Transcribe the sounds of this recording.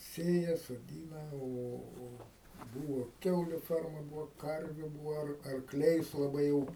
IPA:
ˈsʲeːjɛ soːˈdʲiːnɐ ˈoː oː ˈbuːʋoː ˈkʲɛʊlʲʊ ˈfʲɛrmɐ ˈbuːʋoː ˈkɐrʲʋʲʊ ˈbuːʋɐ ɐr ɐrkˈlʲɛɪs lˠɐˈbɐɪ jɛʊ

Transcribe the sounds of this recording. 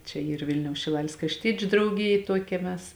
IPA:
ˈt͡ʃʲɛ ˈiːr ˈʋʲɪlʲnʲɛʊs ʃʲɪˈlˠɑːlʲeːs krɐʃʲˈtʲiɛt͡ʃʲʊ drɐʊˈɡʲɪjeː ˈtuɔkʲɛ ˈmʲɛs

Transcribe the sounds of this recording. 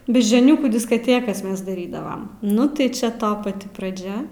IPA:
bʲɛʒʲd͡ʒʲoːˈnʲuːkuː dʲɪskɐˈtʲeːkɐs ˈmʲɛs dɐˈrʲiːdɐʋɐm ˈnʊ tɐɪ ˈt͡ʃʲɛ ˈtoː pɐˈtʲɪ prɐˈd͡ʒʲɛ

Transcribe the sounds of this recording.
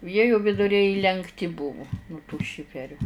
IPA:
ˈjiɛ jʊ ʋʲɪdʊˈrʲɛɪ iːlʲɛŋkˈtʲɪ ˈbʊʋʊ nʊ tuː ˈʃʲɪfʲɛrʲuː

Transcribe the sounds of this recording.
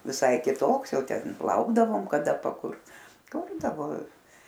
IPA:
ʋʲɪˈsɐɪ kʲɪˈtoːks ˈjɛʊ ˈtʲɛn ˈlˠɐʊɡdɐʋoːm kɐ dɐ pɐˈkʊrt ˈkʊrdɐʋoː

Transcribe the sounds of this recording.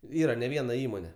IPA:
ˈiːrɐ nʲɛ ˈʋʲiɛnɐ ˈiːmoːnʲɛ

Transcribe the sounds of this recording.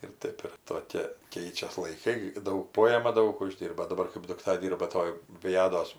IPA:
ɪr ˈtɐɪp ɪr toːˈkʲeː ˈkʲɛɪt͡ʃʲɛs lˠɐɪˈkɐɪ ˈdɐʊk ˈpoːjɛmɐ ˈdɐʊk ʊˈʒʲdʲiːrbɐ dɐˈbɐr kɜp dʊkˈtɐ ˈdʲiːrbɐ ˈtoːj ˈʋʲɪjɛdoːs

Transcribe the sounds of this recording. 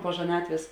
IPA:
poː ʒɐˈnɑːtʲʋʲeːs

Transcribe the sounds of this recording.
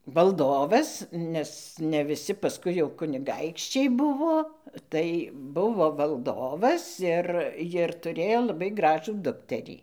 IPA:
ʋɐlˠˈdoːʋɐs nʲɛs nʲɛ ʋʲɪˈsʲɪ pɐˈskʊɪ jɛʊ kʊnʲɪˈɡɐɪkʃʲt͡ʃʲɛɪ ˈbʊʋoː ˈtɐɪ ˈbʊʋoː ʋɐlˠˈdoːʋɐs ɪr jɪr tʊˈrʲeːjoː lˠɐˈbɐɪ ˈɡrɑːʒuː ˈdʊktʲɛrʲiː

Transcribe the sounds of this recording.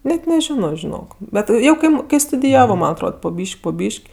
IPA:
ˈnʲɛt nʲɛˈʒʲɪnoː ʒʲɪˈnoːk ˈbʲɛt ˈjɛʊ ˈkɐɪp ˈkɐɪ stʊdʲɪˈjæːʋoː ˈmɐn ɐtˈroːt poː ˈbʲiːʃʲkʲ poː ˈbʲiːʃʲkʲ

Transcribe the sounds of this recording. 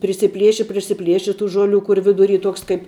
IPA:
pʲrʲɪsʲɪˈpʲlʲiɛʃʲɪ pʲrʲɪsʲɪˈpʲlʲiɛʃʲɪ tuː ˈʒoːˌlʲuː ˈkʊr ʋʲɪdʊˈrʲiː ˈtuɔks kɐɪp

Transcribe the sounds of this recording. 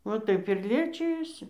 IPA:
ʋɐ ˈtɐɪp ɪr ˈlʲiɛt͡ʃʲɪjoːsʲɪ

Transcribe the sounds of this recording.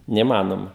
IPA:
nʲɛiːˈmɑːnoːmɐ

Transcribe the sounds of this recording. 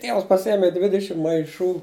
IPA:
ˈtʲiɛʋɐs pɐˈsʲiɛmʲɪ ˈdʲʋʲɪdʲɪʃʲɪm mɐɪˈʃuː

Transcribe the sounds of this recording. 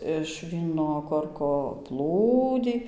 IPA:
ɪʃ ˈʋʲiːnoː ˈkoːrkoː ˈplˠuːdʲiː

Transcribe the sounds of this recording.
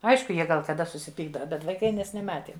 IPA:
ˈɐɪʃkʊ ˈjiɛ ɡɐlˠ kɐˈdɐ sʊsʲɪˈpʲiːɡdɐʋɐ bʲɛt ʋɐɪˈkɐɪ ˈmʲɛs nʲɛˈmɑːtʲeːm

